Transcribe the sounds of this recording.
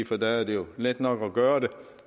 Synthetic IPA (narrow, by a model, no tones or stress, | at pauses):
fɔd̪ææɐd̪ɛjʊlɪt̪ːnɔkːɔɡøːʁəd̪ɛ